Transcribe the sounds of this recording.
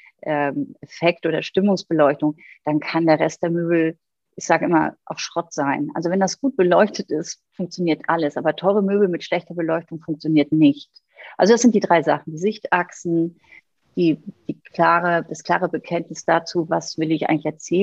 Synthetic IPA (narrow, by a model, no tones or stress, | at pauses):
ʔɛmɛfɛk̚tʔoːɾɐʃtɪmʊŋsb̥əlɔʏçtʊŋd̥ankʰandeːɐʁɛst̚d̥eːɐmøːbl̩ | ʔɪçz̥aːɡəʔɪma̰ʔa̰ʊxʃʁ̥ɔtz̥aɪnʔa̰lzovɛndasɡ̥uːt̚b̥əlɔʏçtʰətɪstfʊŋkt͡sjoniːɐtʔaləsʔaːbɐtʰɔʏʁəmøːbl̩mɪtʃlɛçtɐbəlɔʏçtʊŋfʊŋkt͡sjoniːɐtnɪçt | ʔalzod̥asz̥ɪnt̚d̥iːdʁaɪza̰χn̩d̥iːzɪçtʔaksn̩ | d̥iːd̥iːkʰlaːʁəd̥askl̥a̰ːʁəbəkʰɛntnɪsd̥aːt͡suːvasv̥ɪlɪçʔaɪɡŋlɪçɛɐt͡sɛː